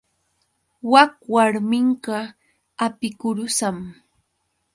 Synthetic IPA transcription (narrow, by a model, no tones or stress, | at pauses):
wak̚waɾmɪɴɢɑ | apɪkʊɾʊsam